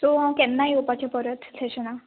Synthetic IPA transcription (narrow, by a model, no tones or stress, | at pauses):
sɔɦãwkɛnːajopat͡ɕapəɾət̪sʰeɕəna